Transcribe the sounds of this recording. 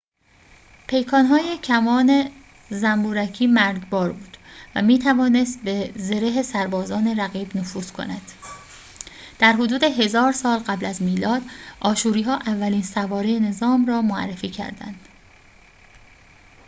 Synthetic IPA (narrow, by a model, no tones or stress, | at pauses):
pʰe̞jkʰɒːnɦɒːjecʰæmɒːne̞ | zæmbuːɾæcʰiːmæɾɟbɒːɾbuːd̪̥væ̰miːt̪ʰævɒːne̞st̪̚be̞ze̞ɾeɦe̞sæɾbɒːzɒːne̞ɾæɣiːbnofuːz̥kʰo̞̰næd̪̥ | d̪̥æɾɦod̪uːd̪e̞ɦe̞zɒːɾsɒːlɢæblæzmiːlɒːd̪̥ʔɒːʃuːɾiːɦɒːʔævːæliːnsævɒːɾejene̞zɒːmrɒːmoæ̰rːefiːcʰæ̰ɾd̪æ̰nd̪̥